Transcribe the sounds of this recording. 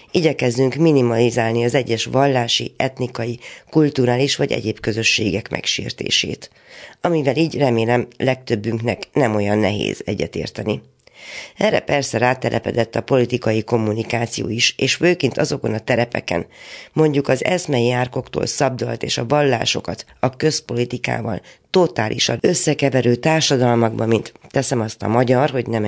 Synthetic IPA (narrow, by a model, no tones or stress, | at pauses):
iːɟɛkɛzd̪yŋkminimɒlizaːlniɒzɛɟːɛʃʋɒlːaːʃḭɛt̪nikɒjikult̪uɾaːliʃʋɒɟɛ̰ɟeːbkø̞zø̞ʃːeːɡɛkmʔɛ̰kʃḭːrt̪ḛːʃḛːt̪ | ɒmivɛliːɟrɛmeːlɛmlɛk̚t̪ø̞bːyŋknɛknɛmo̞jɒnːɛɦḛːzɛɟːɛ̰t̪ḛːrt̪ɛni | ɛrːɛ̰pɛrsɛɾaːt̪ɛlʔɛpɛ̰d̪ɛt̪ːɒpo̞lit̪ikɒjiko̞mːunikaːt̪sijo̰ːiʃeːʃføːkint̪ɒzo̞ko̞nɒt̪ɛɾɛpɛ̰kɛ̰nmo̞ɲɟukɒzɛ̰smɛjiaːrko̞kt̪o̰ːlsɒb̚d̪olt̪eːʃɒvɒlːa̰ːʃo̞̰kɒt̪ | ɒkø̞spo̞lit̪ika̰ːvɒ̰lt̪o̞t̪aːlʔḭʃɒnøsːɛkɛvɛɾøːt̪aːrʃɒd̪ɒlmɒɡbɒmint̪ːɛsɛmɒst̪ɒ̰mɒɟɒrɦo̞ɟnɛm